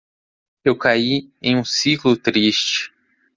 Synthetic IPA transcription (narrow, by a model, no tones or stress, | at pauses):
ewkaiḛ̃j̃ũsiklʊt̪ɾiʃt͡ʃɪ̥